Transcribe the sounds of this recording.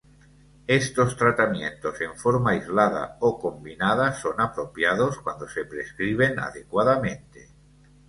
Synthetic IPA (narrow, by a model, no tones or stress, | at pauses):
est̪ost̪ɾat̪amjent̪ose̞ɱfoɾmajzlað̞a̰okombinað̞asonapɾopjað̞oskwand̪osepɾeskɾiβ̞ena̰ðekwaðamẽnt̪e̥